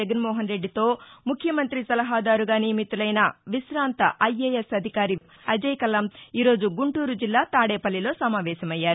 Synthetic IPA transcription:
ɐɡɐnmɔːɦɐnɾe̞ɖːit̪o̞ːmukʰːjɐmɐnt̪ɾisɐlɐɦaːd̪aːɾuɡaːnijɐmit̪ulɐjnɐʋiʃɾaːnt̪ɐʔɐjeːjesɐd̪ʱikaːɾi | ɐd͡ʒɐjkɐlɐmiːɾo̞ːd͡ʒuɡuɳʈuːɾud͡ʒilːaːt̪aːɽeːpɐlːilo̞ːsɐmaːʋɛːʃɐmɐjːaːɾu

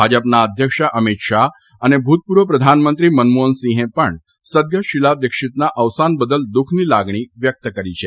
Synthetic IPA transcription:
bʱad͡ʑəpnaəd̪ʱjəkʂaʔəmit̪ʂa | anebʱut̪̚puɾʋəpɾəd̪ʱanmənt̪ɾiːmənmoənsĩɦẽpəɳ | səd̪̚ɡjəɕilad̪ekʂit̪naʔəʋsanbəd̪əld̪ukʰniːlaɡɳ̃iːʋjək̚t̪əkəɾit͡ɕʰe

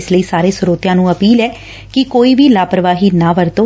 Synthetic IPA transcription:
sləiːsaːɾeːsʊɾoːt̪jãːnũːəpiːlɛː | kɪkoːiːʋiːlaːpəɾəʋaːɦiːnaːʋəɾt̪oː

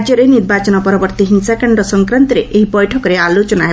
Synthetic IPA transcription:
d͡ʒjɔɾeniɾbat͡ʃɔnɔpɔɾɔbɔɾt̪iɦinsakaɳɖɔsɔŋkɾant̪ɔɾeʔeɦibɔjʈʰɔkɔɾealot͡ʃɔnaɦe

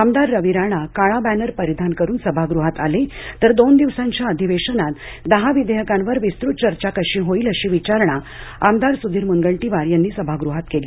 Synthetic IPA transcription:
amd̪aɾːəʋiɾaɽ̃akaɭabænəɾpəɾid̪ʱankəɾuːnsəbʱaɡɾuɦat̪alet̪əɾd̪ond̪iʋsãɲt͡ɕjaəd̪ʱiʋeʂənat̪ | d̪əɦaʋid̪eɦəkanʋəɾʋist̪ɾut̪̚t͡ɕəɾt͡ɕakəɕĩɦoiːləɕiːʋit͡ɕaɾɳa | amd̪aɾsud̪ʱiːɾmunɡəɳʈiʋaɾjanːiːsəbʱaɡɾuɦat̪keli

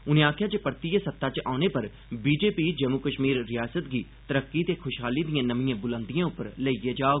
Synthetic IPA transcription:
ʊnẽːaːkʰjaːt͡ʃəpəɾt̪iesət̪ːaːt͡ʃa̰ːʊneːpəɾ | biːd͡ʒeːpiːd͡ʒəmukəʃmiːɾːɪjaːsət̪ɡiː | t̪əɾəkːiːt̪eːkʰʊʃɦaːliːd̪ijãːnəmijãːbʊlə̃nd̪ijãːʊpːəɾləieːd͡ʒaːoː

